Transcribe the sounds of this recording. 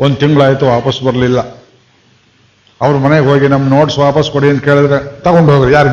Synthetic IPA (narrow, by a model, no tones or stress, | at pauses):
ond̪ut̪iŋɡɐɭaːjt̪uʋaːpɐsbɐɾɐlilːɐ | ɐʋɐɾumɐneɡɦoːɡinɐmːɐnoːʈsʋaːpɐskoɽiɐnd̪uke̞ːɭid̪ɾet̪ɐɣoɳɖɦoːɡɾjaːɾ